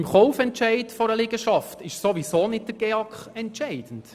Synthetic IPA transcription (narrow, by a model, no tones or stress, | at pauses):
ɪmχɔʊfɛntt͡ʃɛɪtfɔɾəlɪɡ̥əʃɑftɪʃsoʋisoːnɪt̚d̥əɾɡ̥eɑkχɛntʃɛɪd̥ən̩t